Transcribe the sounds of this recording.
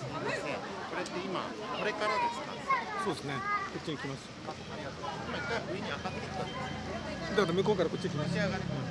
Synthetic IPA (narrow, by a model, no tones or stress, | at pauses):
sod̪esɨne | ko̞ɾet̪ːe̞ima̰ | ko̞ɾe̞kaɾad̪esɨ̥k̪a̰so̞ːd̪esɨnekot͡ɕʲːiɲikʲimasɨ̥ | aɾʲiɡat̪oːsimakaʔɯeɲ̟iakat̪ːei̥t̪ãnd̪esd̪akat̪omɯ̟kokaɾako̞tt͡ɕːiɲikimasiaaã